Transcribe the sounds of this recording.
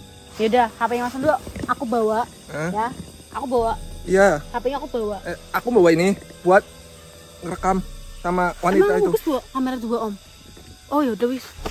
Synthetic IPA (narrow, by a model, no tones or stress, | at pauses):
jaudakapajaŋmasanduaʔakubawaʔ | əja | akubawaʔijakapajaŋakubawaʔakubawainɪb̥uat̪̚ | rəkamsamawannimt̪ait̪ubɪsd̪uaʔkamaɾad̪uaʔɔm | ojaudawis